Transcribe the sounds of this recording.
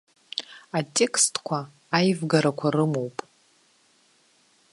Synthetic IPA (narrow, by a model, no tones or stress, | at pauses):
atʲʼekʰstʰkʷʰaː | jvɡaɾakʷʰarɨmo̞wpʼ